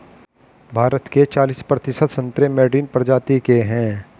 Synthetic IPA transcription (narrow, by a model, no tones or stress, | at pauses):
bʱaːɾət̪ket͡ʃaːliːspɾɐt̪ɪʃət̪sə̃nt̪ɾemɛːɖiːnpɾəd͡ʒaːt̪ikeɦɛ̃ː